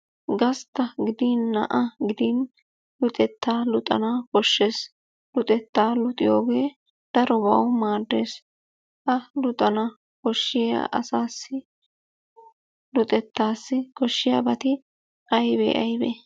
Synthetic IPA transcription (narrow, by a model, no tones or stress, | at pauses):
ɡɐst̪ːɐɡɪd̪iːnːɐ̰ʔɐɡɪd̪iːn | lʊt̪ʼɛt̪ːaːlʊt̪ʼɐ̰naːkɔʃːeːs | lʊt̪ʼɛt̪ːaːlʊt̪ʼɪjo̞̰ːɡe̞ː | d̪̥ɐɾɔbɐ̰wmaːd̪ːe̞ːs | ʔɐlʊt̪ʼɐnɐ | kɔʃːɪja̰ʔɐ̰saːsːɪ | lʊt̪ʼɛt̪ːaːsːɪkɔʃːɪja̰ːbɐt̪ɪ | ʔɐjbḛːʔɐjbḛ